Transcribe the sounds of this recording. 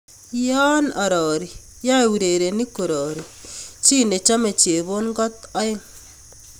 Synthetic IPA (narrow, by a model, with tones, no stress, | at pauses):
jɔ˦nɔ˨ɾɔ˨ɾi˨ | ja˦e˨wu˨ɾe˨ɾe˨ni˦ko˨ɾɔ˨ɾi˨t͡ʃi˦ne˨t͡ʃa˦me˨t͡ʃe˨βo˦nŋɡɔ˦t̪ɔ˦ɪ˦ŋ